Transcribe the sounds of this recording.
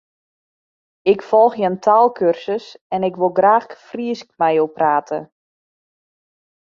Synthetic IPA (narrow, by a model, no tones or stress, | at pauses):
ɪkfɔlˠxjəntʰaːlˠkʰørsəsɛnɪkʋolˠɡraːxfriəskmɛjowpraːtʰə